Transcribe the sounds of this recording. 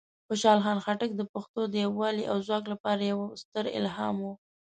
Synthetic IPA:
xʊʃɑlxɑnxaʈək̚d̪əpaxt̪od̪əjawːɑliʔa̰wzwɑklapɑɾajawst̪əɾɪ̰lɦɑ̰mu

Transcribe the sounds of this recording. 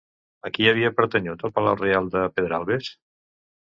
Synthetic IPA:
əkiəβ̞iəpəɾt̪əɲut̪əlˠpəlawrealˠd̪əpeðɾalˠβes

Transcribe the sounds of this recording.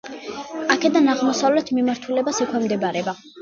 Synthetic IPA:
akʰɛd̪anaʁmɔsavlɛt̪ʰmimaɾt̪ʰulɛbasɛkʰwɛmd̪ɛbaɾɛba

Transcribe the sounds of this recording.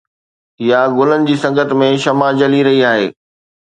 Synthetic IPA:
ɪjaɡʊlənɪ̆d͡ʑiːsɐ̃ŋɡət̪mẽʃɐmad͡ʑɐliɾɐɦiaːɦeː

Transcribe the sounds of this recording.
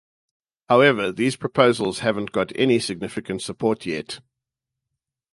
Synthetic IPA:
haʊɛvəðiːz̥pʰɹ̥əpʰəʊzəl̩ˠz̥hævə̃nɡ̥ɒɾʰɛ̰nisɪɡ̚nɪfɪkə̃ntsəpʰɔˑtʰjɛt

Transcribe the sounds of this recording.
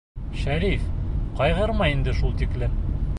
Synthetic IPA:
ʃæɾifqɒjʁɤɾmɑind̪ɘʃulˠt̪iklɘm

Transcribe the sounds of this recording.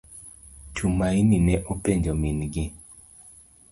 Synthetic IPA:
t͡ʃumaininɛʔopeɲd͡ʒominɡɪ

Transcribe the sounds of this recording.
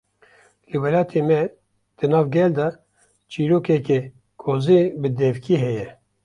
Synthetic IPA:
lɨwɛlɑːt̪ʰemɛ | d̪̥ɨnɑːvɡɛld̪ɑ | t͡ʃʰiːɾoːkɛkɛ | kʰozibɨd̪ɛvkʰiɦɛjɛ

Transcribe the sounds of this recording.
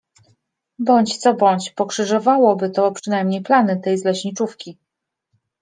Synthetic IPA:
bɔɲt͡ɕt̪sɔbɔɲt͡ɕpɔkʂɘʐɔvawɔbɘt̪ɔpʂɘnajmɲejplanɘt̪ɛjzlɛɕɲit͡ʂufkʲi

